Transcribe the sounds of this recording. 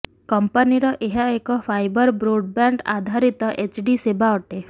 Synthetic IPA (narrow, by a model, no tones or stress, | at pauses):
kɔmpaniɾɔʔeɦaekɔpʰajbɔɾbɾoɖ̚baɳɖa̰d̪ʱaɾit̪ɔʔet͡ʃɖisebaɔʈe